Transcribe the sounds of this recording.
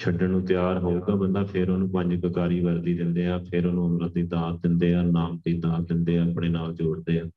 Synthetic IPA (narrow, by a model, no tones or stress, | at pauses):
t͡ʃʰəɖənũːt̪ɪjaːɾɦoːɡaːbəndaːpʰɪɾoːnũːpə̃ɲd͡ʒkəkaːɾiːʋəɾd̪iːd̪ɪ̃nd̪eːaːpʰɪːɾoːnũːəmɾãd̪iːd̪aːd̪ɪnd̪eːaːnaːmd̪iːd̪ãːd̪ɪnd̪eːãːəpɽeːnaːld͡ʒoːɽd̪eːaː